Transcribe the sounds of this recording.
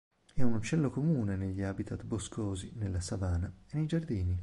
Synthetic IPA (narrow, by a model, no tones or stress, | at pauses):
ɛunut͡ʃːɛlːokomuːneneʎːiaːbit̪ʰat̪boskʰoːzinelːasavaːnaenːejd͡ʒard̪iːni